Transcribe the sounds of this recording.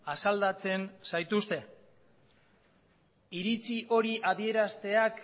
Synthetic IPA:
asald̪at͡se̞nsajt̪ust̪e̞ | iɾit͡siʔo̞ɾiʔaðie̞ɾast̪e̞ak

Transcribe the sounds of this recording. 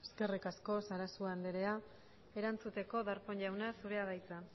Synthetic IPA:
eske̞rikasko̞saɾasuand̪eɾe̞a | e̞ɾant͡sut̪e̞ko̞ðaɾpo̞ɲʎawnasuɾe̞aðajt͡sa

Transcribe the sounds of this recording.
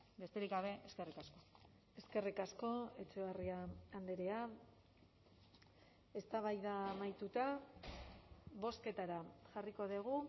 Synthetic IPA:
be̞st̪e̞ɾikɡaβe̞ʔeske̞rikasko̞ | e̞ske̞rikasko̞e̞t͡ʃe̞ariaand̪eɾe̞a | e̞st̪aβ̞ajðamajt̪ut̪a | βo̞ske̞t̪aɾaʝariko̞ðeɣ̞u

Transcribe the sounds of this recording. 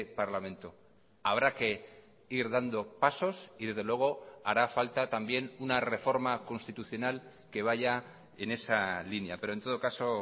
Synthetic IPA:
paɾlamẽ̞nt̪o̞ | aβ̞ɾake̞ | iɾðand̪o̞paso̞siðe̞zðe̞lwe̞ɣ̞o̞aɾafalt̪at̪ambje̞nunare̞fo̞ɾmako̞nst̪it̪uθjo̞nal | ke̞β̞aʝa | e̞ne̞salinja̰pe̞ɾont̪o̞ðo̞kaso

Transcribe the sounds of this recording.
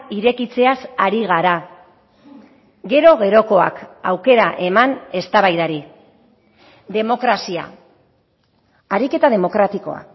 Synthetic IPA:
iɾe̞kit͡se̞asaɾiɣ̞aɾa | ɡe̞ɾo̞ɣe̞ɾo̞ko̞a̰kawke̞ɾaʔe̞mane̞st̪aβajðaɾi | d̪e̞mo̞kɾasia̰ | aɾike̞t̪að̞e̞mo̞kɾat̪iko̞̰a̰

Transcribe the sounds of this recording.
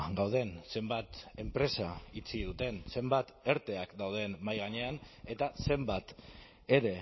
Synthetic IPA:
ɡawð̞e̞nse̞mbat̪e̞mpɾe̞sait͡siðut̪e̞nse̞mbat̪e̞ɾt̪e̞akd̪awð̞e̞nmajɣ̞aɲe̞ane̞t̪ase̞mbat̪ | e̞ɾe̞

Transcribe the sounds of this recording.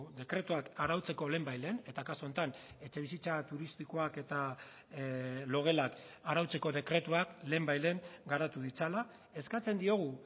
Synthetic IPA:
d̪e̞kɾe̞t̪uakaɾawt͡se̞ko̞le̞ːmbajle̞ne̞t̪akasuo̞nt̪an | e̞t͡ʃe̞β̞isit͡sat̪uɾist̪iko̞ake̞t̪a | lo̞ɣ̞e̞lak | aɾawt͡se̞ko̞ðe̞kɾe̞t̪uakle̞mbajle̞ŋɡaɾat̪uðit͡sala | e̞skat͡se̞nd̪io̞ɣ̞u

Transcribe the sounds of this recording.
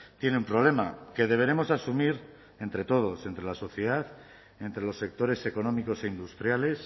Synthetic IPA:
t̪je̞neumpɾo̞β̞le̞make̞ðe̞β̞e̞ɾe̞mo̞sasumiɾ | e̞nt̪ɾe̞t̪o̞ð̞o̞se̞nt̪ɾe̞laso̞θjeðaθ | e̞nt̪ɾe̞lo̞sːe̞k̚t̪o̞ɾe̞se̞ko̞no̞miko̞se̞ind̪ust̪ɾjale̞s

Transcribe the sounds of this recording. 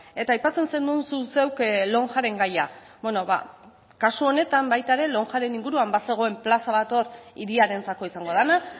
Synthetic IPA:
e̞t̪aːjpat͡se̞nse̞nd̪unsuse̞wklo̞ŋxaɾe̞ŋɡaja | beno̞βa̰ | kasuo̞ne̞t̪ambajt̪aeɾe̞lo̞ŋxaɾe̞niŋɡuɾuambase̞ɣ̞o̞e̞mplasaβat̪o̞ɾiɾiaɾe̞nt͡sako̞isaŋɡo̞ð̞ena

